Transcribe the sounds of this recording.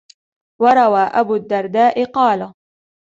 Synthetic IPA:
wɑɾˤɑwaːʔabuːd̪ːɑɾˤd̪aːʔɪqɑːla

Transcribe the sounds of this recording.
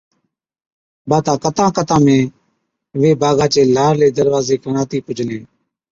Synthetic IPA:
baːt̪ãːkət̪ãːkət̪ãːmẽː | ʋeːbaːɡaːt͡ʃeːlaːɾleːd̪əɾʋaːzeːkəɳaːt̪iːpʊd͡ʒʱneː

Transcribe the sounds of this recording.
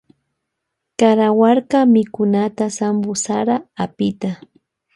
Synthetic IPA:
kaɾawaɾkamɪkʊnat̪asambʊsaɾaːpɪt̪a

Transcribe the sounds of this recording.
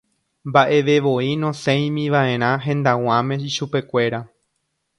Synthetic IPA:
mbaʔe̞ʋe̞ʋo̞inõsẽj̃mĩʋaẽ̞ɾ̃ãɦẽ̞nd̪aw̃ãmẽ̞iʃupe̞kʷe̞ɾa

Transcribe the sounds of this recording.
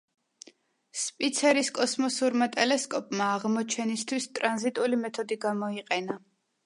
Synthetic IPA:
spʼit̪sʰɛɾiskʼɔsmɔsuɾmat̪ʼɛlɛskʼɔpʼmaːʁmɔt͡ʃʰɛnist̪ʰwist̪ʼɾanzit̪ʼulimɛt̪ʰɔd̪iɡamɔiqʼɛna

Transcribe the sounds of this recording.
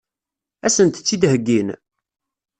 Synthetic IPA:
æsənt̪t͡sːid̪ɦəɡːin

